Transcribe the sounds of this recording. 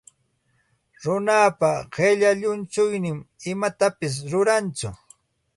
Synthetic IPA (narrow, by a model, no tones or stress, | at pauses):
ɾʊnapaɢeʎaʎʊnt͡ʃʊjnɪmɪmat̪apɪs̬ɾʊɾant͡sʊ